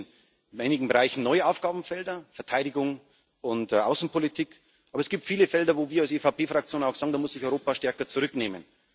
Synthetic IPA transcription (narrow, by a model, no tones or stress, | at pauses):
n | ʔaɪnɪɡŋ̩bəʁaɪçn̩nɔʏəʔaʊfɡ̥aːbm̩fɛldɐfɛɐtʰaɪɾɪɡʊŋ | ʔʊntʔaʊsn̩pʰolitʰiːk | ʔɑːbɐɛsɡ̥iːp̚tfiːləfɛldɐvoːviːɐalseːfaʊpʰeːfʁ̥ak̚t͡sjoːnaʊxsaːɡŋ̩daːmʊsz̥ɪçɔʏʁoːpaʃtɛɐkɐt͡sʊʁʏkneːmən